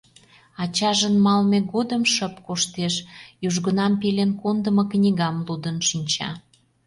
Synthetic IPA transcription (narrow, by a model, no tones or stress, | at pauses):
ɑt͡ɕɑʒənmɑlmeɣod̪əmʃəpkoʃt̪eʃjuʒɣənɑmpelenkond̪əməknʲiɣɑmlud̪ənʃinʲt͡ɕɑ̰